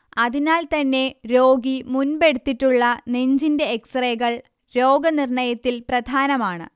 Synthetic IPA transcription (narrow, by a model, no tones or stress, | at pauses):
ɐðinaːlt̪ɐnːe̞ɾo̞ːɡimunbe̞ɽut̪ːitːuɭːɐneɲd͡ʑinde̞ːksreːɣɐɭ | ɾo̞ːɡɐnirɳɐjɐt̪ːilprɐd̪ʱaːnɐmaːɳɨ̰